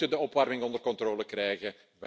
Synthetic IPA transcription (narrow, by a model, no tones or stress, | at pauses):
tədəɔpʋɑrmɪŋɔndərkɔntroːləkrɛjɣə | ʋɛ